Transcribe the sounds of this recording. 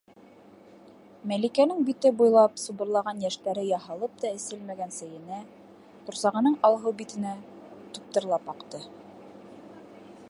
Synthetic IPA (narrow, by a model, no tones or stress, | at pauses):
mælikænɘŋbit̪ɘbujlˠɑpsubɤ̆ɾlˠɑʁɑnjæʃt̪æɾɘjɑɦɑlˠɤp̚t̪ɑɘ̆sɘlmæɡænsæjɘ̆næ | qŭɾsɑʁɤ̆nɤɴɑlˠɦɤwbit̪ɘ̆næ | t̪up̚t̪ɤ̆ɾlˠɑpɑqt̪ɤ